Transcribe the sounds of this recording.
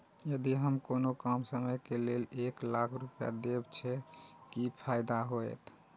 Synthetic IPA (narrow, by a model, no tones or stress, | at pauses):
jəd̪iɦəmkonokamsəməjkeleleklakʰɾupja̰d̪ebt͡ʃʰɛkipʰajd̪aɦoet̪